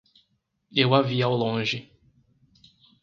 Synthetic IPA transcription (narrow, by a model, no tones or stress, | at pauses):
ewaviawlõʒɪ